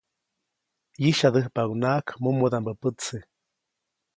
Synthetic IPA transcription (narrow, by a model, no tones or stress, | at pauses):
jiʃad̪əhpaɡunakmumud̪ambəpət͡sɨ